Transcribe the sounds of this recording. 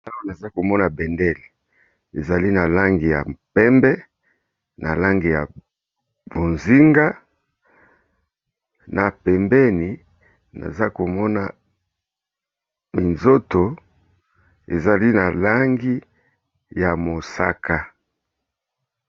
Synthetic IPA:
ta˦wɡo˨na˨za˦ko˨mɔ˦na˨bɛ˨ndɛ˦˨l | e˨za˨li˦na˨la˦ŋɡi˨ja̰˨pɛ˦mbɛ˦ | na̰˨la˦ŋɡi˨ja˨ | bo˨nzi˦ŋɡa˦ | na˨pɛ˨mbɛ˦ni˨ | na̰˨za˦ko˨mɔ˦na˨ | mi˨nzo˦to˨ | e˨za˨li˦na˨la˦ŋɡi˦ | ja˨mo˨sa˦ka˦

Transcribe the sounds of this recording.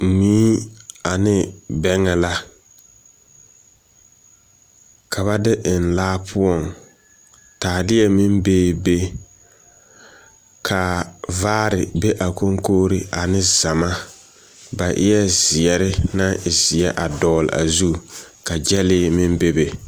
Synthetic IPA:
miː˦a˨nɪ˦bɛ˦ŋɛ˨la˦ | kʰa˨βa˦dɪ˦ʔɪ˨n˨laː˦pʰʊ˦ɔ˨ŋ | taː˨dɪ˦ɛ˦mɪ˦mbeː˦be˦ | kʰa˨vaː˦ɾɪ˨be˦ʔa˨ko˦ŋkoː˦ɾɪ˦ʔa˨nɪ˦za˨ma˦ | ba˨ʔɪ̰˦jɛ˦zɪ˨ɛ˨ɾɪ˦na˦ɪ˨zɪ˨ɛ˦ʔa˨dɔː˨lɪ̰˨a̰˨zu˦ka˨d͡ʒɛ˦lɪː˦mɪ˦mbe˦be˨

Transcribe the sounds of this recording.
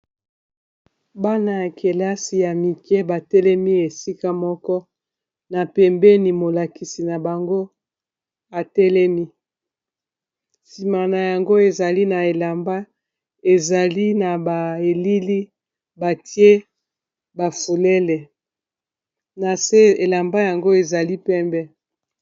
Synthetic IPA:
ba˦na˦ja˨ke˨la˦si˨ja˨mi˨kɛ˦ba˨tɛ˦lɛ˦mi˦e˨si˦ka˦mɔ˦kɔ˦ | na˨pɛ˨mbɛ˦ni˨mo˨la˨ki˨si˨na˨ba˨ŋɡo˦ | a˨tɛ˦lɛ˦mi˦ | si˨ma˨na˨ja˨ŋɡo˦e˨za˨li˦na˨e˨la˨mba˦ | e˨za˨li˦na˨ba˨e˨li˦li˦ | ba˨tje˦ | ba˨fu˨lɛ˦lɛ˨ | na˨se˦e˨la˨mba˦ja˨ŋɡo˦e˨za˨li˦pɛ˦mbɛ˦

